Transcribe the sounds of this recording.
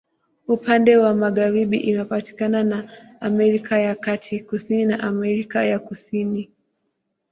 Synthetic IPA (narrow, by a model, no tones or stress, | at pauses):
upandɛwamaɠaɾiɓḭʔinapati̥kananaːmɛɾikajakatʰikusininaʔamɛɾikajakusini